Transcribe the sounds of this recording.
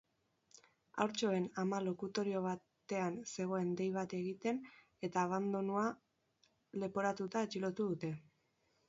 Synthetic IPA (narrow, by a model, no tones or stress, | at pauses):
a̰wɾt͡ʃo̞e̞namalo̞kut̪o̞ɾio̞βa | t̪e̞anse̞ɣ̞o̞e̞nd̪e̞jβ̞at̪e̞ɣit̪e̞n | e̞t̪aːβ̞and̪onua | le̞po̞ɾat̪ut̪aet͡ʃilo̞t̪uð̞ut̪e̞